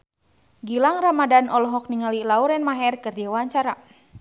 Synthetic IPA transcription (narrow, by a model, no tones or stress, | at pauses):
ɡilaŋramadanʔɔlɔɦɔk̚niŋalilauɾɛnmaɦɛrkɨrdiawaɲt͡ʃaɾa